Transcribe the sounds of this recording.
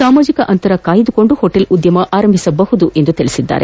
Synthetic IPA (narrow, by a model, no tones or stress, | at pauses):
saːmaːd͡ʒikɐʔɐnt̪ɐɾɐkaːjid̪ukoɳɖuhoʈːelud̪jɐmɐʔaːɾɐmbʱisɐbɐɦud̪uʔend̪ut̪ɛɭɪsid̪ːa̰ːɾʔḛ